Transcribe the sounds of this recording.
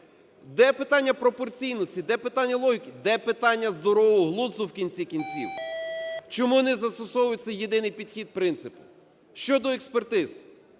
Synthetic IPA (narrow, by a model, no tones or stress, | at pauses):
d̪ɛpɪt̪ɑnʲːɐpɾɔpɔrt͡sʲijnɔsʲtʲid̪ɛpɪt̪ɑnʲːɐlˠɔɦʲikɪd̪ɛpɪt̪ɑnʲːɐzd̪ɔɾɔʋɔɦlˠuzd̪ʊwkʲinʲt͡sʲikʲinʲt͡sʲiw | t͡ʃɔmuwɔnɪzɐst̪ɔsɔwʊjʊt͡sʲːɐjːed̪ɪnɪjpʲid̪xʲid̪̚pɾɪnt̪sɪpʊ̥ | ʃt͡ʃɔd̪ɔekspert̪ɪz̥